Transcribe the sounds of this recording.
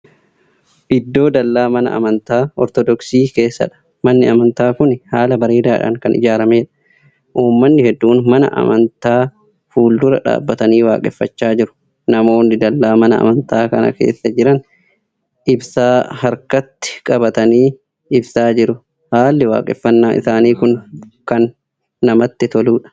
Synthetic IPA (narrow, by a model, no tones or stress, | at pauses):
ʔɪd̪ːo̞ːd̪ɐlːaːmɐnɐ̰ʔɐ̰mɐnt̪aːɔɾt̪ɔd̪ɔksiːke̞ːsːɐ̰ᶑɐ̥ | mɐnːɪɐmɐnt̪aːkʊnhaːlɐbɐɾeːd̪aːɪᶑɐ̰ŋkɐnɪ̰d͡ʒaːɾɐmeːᶑɐ̥ | ʔuːmːɐnːɪhɛd̪ːuːnmɐnɐ̰ʔɐ̰mɐnt̪aː | fuːld̪ʊɾɐ̰ᶑa̰ːbːɐt̪ɐniːwa̰ːkʼɛfːɐt͡ʃːaːd͡ʒɪɾʊ̥ | nɐmo̞ːnɪd̪ɐlːaːmɐnɐɐ̰mɐnt̪aːkɐnɐ̰kḛːsːɐd͡ʒɪɾɐn | ʔɪbsaːhɐɾkɐt̪ːɪ̥kʼɐbɐt̪ɐniː | ɪbsaːd͡ʒɪɾʊ | haːlːɪwa̰ːkʼɪfːɐnːaːʔɪ̰saːniːkʊnkɐnː | ɐmɐt̪ːɪt̪ɔluːᶑɐ̥